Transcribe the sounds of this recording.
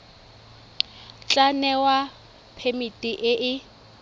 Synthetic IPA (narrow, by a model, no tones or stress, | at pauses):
t͡ɬʼanɛwa | pʰemitʼiʔɪʔɪ